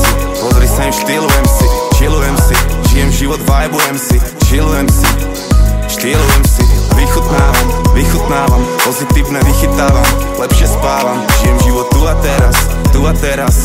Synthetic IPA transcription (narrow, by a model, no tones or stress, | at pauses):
ipɔzɾisaimʃt̪ilujɛmsiʒilujɛmsiʒ̥ijɛmʒiʋɔd̪ʋajbujɛmsiʒilujɛmsi | ʃt̪iɛlujɛmsiʋixut̪naːʋamʋixut̪naːʋampɔzit̪iːʊnɛʋixit̪aːʋam | lɛpʃɪɛspaːlamʒ̥ijɛmʒiʋɔt̪ːuat̪ɛɾast̪uat̪ɛɾas